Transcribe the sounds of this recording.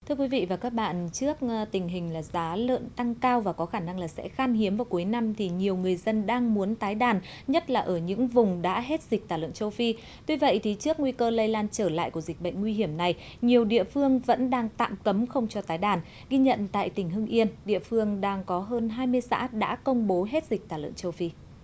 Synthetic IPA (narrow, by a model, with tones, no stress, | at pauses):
t̪ʰɨ˧əkwi˨˦vḭ˧˨vaː˨˩kaː˦˥k̚ɓa̰ː˧˨nt͡ɕɨ˦˥ək̚t̪ï˨˩ŋ̟ɦï˨˩ŋ̟laː˨˩zaː˨˦lə̰ː˧˨nt̪a˧ŋkaː˧wvaː˨˩kɔ˨˦xaː˧˩na˧ŋlaː˨˩sɛ̰˧˥xaː˧nhi˨˦əmvaː˨˩wku˨˦jna˧mt̪ʰi˨˩ɲi˨˩əwŋɨ˨˩əjzə˧nɗaː˧ŋmu˨˦ənt̪aː˨˦jɗaː˨˩n | ɲə˦˥t̚laː˨˩ʔəː˧˩ɲɨ̰˧˥ŋvʊ˨˩ŋ͡mɗa̰ː˧˥ɦe˦˥t̚zi˨˩k̚t̪aː˧˩lə̰˧˨nt͡ɕə˧wfi˧ | t̪wi˧və̰˧˨jt̪ʰi˨˩t͡ɕɨ˦˥ək̚ŋwi˧kəː˧lə˧jlaː˧nt͡ɕəː˧˩la̰ː˧˨jku˧˩əzi˨˩k̟̚ɓə̰˧˨jŋ̟ŋwi˧ɦi˧˩əmna˨˩j | ɲi˨˩əwɗḭ˧˨əfɨ˧əŋvə̰˧˥nɗaː˧ŋt̪a̰ː˧˨mkə˨˦mxə˧wŋ͡mt͡ɕɔ˧t̪aː˨˦jɗaː˨˩n | ɣi˧ɲə̰˧˨nt̪a̰ː˧˨jt̪ï̟˧˩ɦɨ˧ŋʔi˧ənɗḭ˧˨əfɨ˧əŋɗaː˧ŋkɔ˨˦ɦəː˧nɦaː˧jmɨ˧əjsa̰ː˧˥ɗa̰ː˧˥kə˧wŋ͡mɓo˨˦ɦe˦˥t̚z̥ï˨˩k̚t̪aː˧˩lə̰˧˨nt͡ɕə˧wfi˧